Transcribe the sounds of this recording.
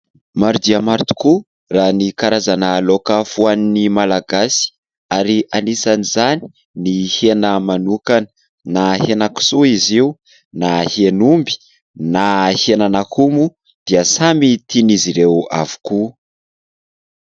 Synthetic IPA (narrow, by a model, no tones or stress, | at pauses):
maɾud̪iamaɾt̪u̥ku | ranikaɾazanəlokafuaninimalaɡasi̥ | aɾiʔanisanizani̥ | nihenəmanukanə̥ | nahenaku̥suiziu | nahenumbi̥ | nahenanakʰumu | d̪̥iəsamit̪iniziɾewa̰vu̥ku